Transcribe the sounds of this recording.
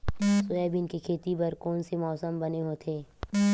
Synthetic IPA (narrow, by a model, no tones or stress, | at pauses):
sʊɛːbʱɪnkikʰeːt̪ibɐɾkɔːnsemɔːsəmbɐneɦot̪ʰeː